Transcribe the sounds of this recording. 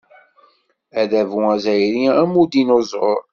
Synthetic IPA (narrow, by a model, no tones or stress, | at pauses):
æðævuæzæjɾiæmud̪inozˤo̰ɾˤ